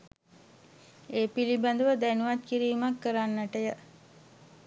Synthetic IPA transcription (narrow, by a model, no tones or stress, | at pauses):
eːpiliband̪əʋəd̪ænuʋat̪̚kiɾiːmakːəɾanːəʈəjə